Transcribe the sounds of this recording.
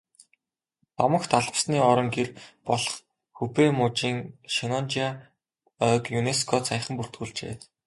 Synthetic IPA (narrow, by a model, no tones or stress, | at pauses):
t̪ɔmə̆xt̪ʰaɮpsniːɔɾɞ̆ŋɡerpɔɮɞ̥̆χ | xupeːmʊːt͡ɕiːŋʃinɔnt͡ɕia | œkjuneskʰɔt͡sʰajχə̆mpur̥t̪̚ɡuːɮt͡ɕḛː